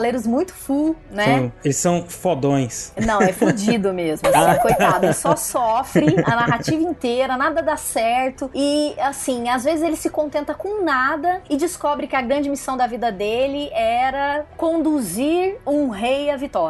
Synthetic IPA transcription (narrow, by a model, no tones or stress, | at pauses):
aleɾʊzmũj̃t̪ʊ̥funɛelɪsːɐ̃w̃fod̪õj̃snɐ̃wɛfud͡ʒid̪ʊmezmʊfojfad̪eɪsɔsɔfɾɪɐnaɦat͡ʃivɐĩnt̪eɾɐnad̪ɐd̪asɛɾt̪ʊɪasĩazvezɪzelɪsɪkõnt̪ẽnt̪ɐkõnad̪ɐɪd͡ʒɪskɔbɾɪkɪɐɡɾɐ̃nd͡ʒɪmisɐ̃w̃d̪ɐvid̪ɐd̪elɪʔɛɾɐkõnd̪uziɾũɦejɐvit̪ɔɾ